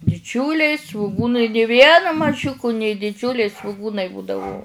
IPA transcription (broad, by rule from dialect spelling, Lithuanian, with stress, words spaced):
dʲɪˈd͡ʒʲʊlʲɛɪ sʋʊˈɡʊnɐɪ nʲɪ ˈʋʲiɛnɐ mɐˈʒʲʊkʊ nʲeː dʲɪˈd͡ʒʲʊlʲɛɪ sʋʊˈɡuːnɐɪ ˈbuːdɐʋʊ